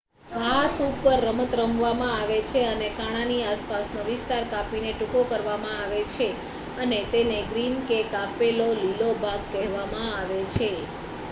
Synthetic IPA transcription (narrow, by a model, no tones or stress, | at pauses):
ʋʱasupəɾːəmət̪ɾəmʋamãaʋet͡ʃʰeənekaɽ̃ãniaspasnoʋɪst̪aɾkapineʈukokəɾʋamãaʋet͡ʃʰe | ənet̪eneɡɾinkekapelolilobʱaɡ̚kɛɦʋamãaʋet͡ʃʰe